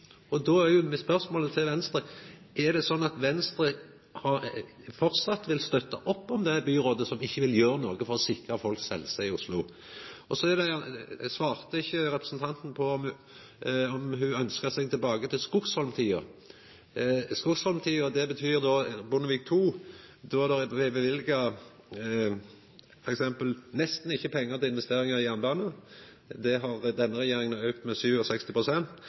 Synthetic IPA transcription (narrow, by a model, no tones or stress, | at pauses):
ɔd̪ɔːæjʊmɛspœɾsmoːlət̪ʰɪlʋɛnst̪ɾə | ɛd̪ɛsɔnːɑt̪ʋɛnst̪ɾə | hɑʁ | fɔɾt̪sɑt̪ːʋɪlst̪œt̪ːɑʔɔpːɔmd̪ɛbyːɾoːd̪əsɔmɪçːəʋɪljøːɾənoːɡəfɔɾɔsɪkʁɑfɔlksɛlːsɛɪʊslʊ | ɔsɔɛd̪ɛsʋɑːʁt̪əɪçːəɾɛpɾəsən̩t̪ʰɑnt̪n̩pʰɔ | ɔmɦʉœnskəsɛɡ̚t̪ʰɪlbɑːɡət̪ʰɪlskʊkshɔlmt̪ʰiːə̰ | skʊkshɔlmt̪ʰiːəd̪ɛbət̪ʰyːɾd̪ɔbʊnəʋiːk̚t̪ʰuːd̪ɔd̪ɛʋebəʋɪlɡɑ | fɔɾɛksɛmpəlnɛst̪n̩ɪçːəpʰɛŋːəʁt̪ɪɪnʋɛst̪eːɾɪŋɑʁɪjæʁnbɑːnə | d̪ɛɦɑʁd̪ɛnːəʁɛjeːɾɪŋənœʉkt̪mɛsyːʋɔsɛkst̪ɪpʰɾʊsɛnt̪